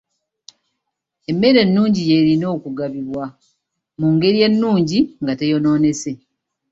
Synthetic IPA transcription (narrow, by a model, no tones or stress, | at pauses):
e̞mːe̞ɾe̞nːuːɲɟije̞ɾino̞ːkuɡaβiβwa | muŋɡe̞ɾije̞nːuːɲɟiŋɡate̞jo̞no̞ːne̞se̞